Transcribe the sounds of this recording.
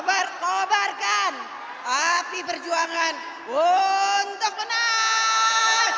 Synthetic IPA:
barkobarkan | apipərd͡ʒuaŋan | unt̪ʊk̚bəna

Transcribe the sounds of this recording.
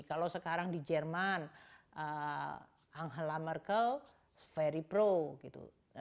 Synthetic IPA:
kalowsəkaɾaŋdid͡ʒɛrman | ə | aŋɦəlamərkəl | fɛɾipɾoɡit̪ṵ

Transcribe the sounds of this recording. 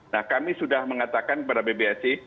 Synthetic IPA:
nahkamisudahməŋat̪akankəpadabebeasɪ

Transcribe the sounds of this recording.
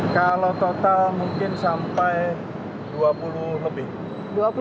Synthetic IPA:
kalot̪ot̪almuŋkɪnsampaj | d̪̥uapululəbɪh | duapu

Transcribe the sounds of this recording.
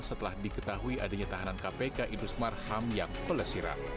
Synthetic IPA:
sət̪əlahdikət̪aɦuiʔadaɲat̪aɦanankapekaʔindɾusmarhamjaŋpələsiɾa̰

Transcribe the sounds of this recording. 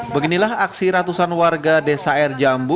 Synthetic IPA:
bəɡinilaɦaksiɾat̪usanwarɡadesaɛrd͡ʒambu

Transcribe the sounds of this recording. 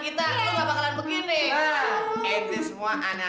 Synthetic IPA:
ɡit̪alebabakalanbəɡinɪəit̪isəmuaʔana

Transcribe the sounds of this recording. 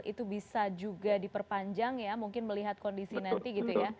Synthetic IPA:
ḭt̪ubisad͡ʒuɡadipərpaɲd͡ʒaŋjamuŋkɪnməliɦat̪̚kɔndisinant̪iɡit̪uja

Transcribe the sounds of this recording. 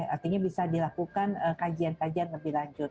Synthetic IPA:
a̰rt̪iɲabisadilakukanəkad͡ʒiankad͡ʒianləbɪhlaɲd͡ʒʊt̪̚

